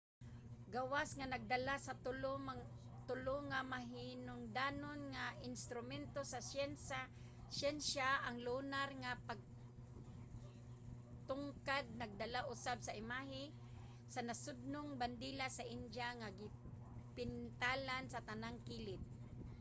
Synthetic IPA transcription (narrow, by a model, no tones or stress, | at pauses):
ɡawasŋanaɡ̚d̪alasatʊ | t̪ʊloŋamaɦɪnʊŋd̪aːnonŋaɪnst̪ɾʊmɛnt̪osasjɛnsa | sjɛnsaʔaŋlʊnaɾŋapaɡ̚ | t̪ʊŋkad̪̚naɡ̚d̪alaʔʊsab̚saʔɪmaɦɪ | sanasʊd̪̚nʊŋband̪iːlasaʔɪnd͡ʒaŋaɡɪ | pɪnt̪aːlansat̪anaŋkilɪt̪̚